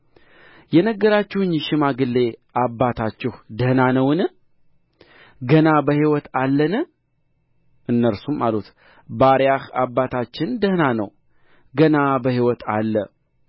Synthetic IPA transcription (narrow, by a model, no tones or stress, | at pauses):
jɛnəɡːəɾat͡ʃːɪhɨɲːʃɪmaɡɨlːe̞ʔabːat̪ʰat͡ʃːɪhd̪əhnanəwn | ɡənabəhiwɔt̪ʰalːənɨ | ʔɨnːəɾsumalut̪ | baɾjahabːat̪ʰat͡ʃːɪnd̪əhnanə̰w | ɡənabəhiwɔt̪alːə